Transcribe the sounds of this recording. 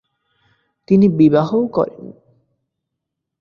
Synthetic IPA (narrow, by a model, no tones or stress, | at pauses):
t̪inibibaɦowkɔ̰ɾḛw